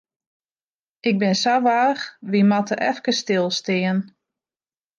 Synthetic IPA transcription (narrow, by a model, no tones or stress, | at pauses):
ʔɪɡ̚bɪnsaʋaːxʋimatəʔɛfkəstɪlˠstɪən